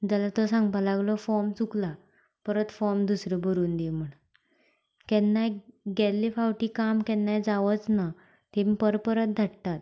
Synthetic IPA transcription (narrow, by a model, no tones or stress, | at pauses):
d͡zalat̪ɔsãŋɡpalaɡlɔfɔɾmt͡sukla | pəɾət̪fɔɾmd̪usɾəbʱəɾuːnd̪im̤əɳ | kɛnːajɡɛlːifawʈiːkamkɛnːajd͡zaʋət͡sna | t̪emipəɾpəɾət̪̚d̪ʱaɽt̪at̪̚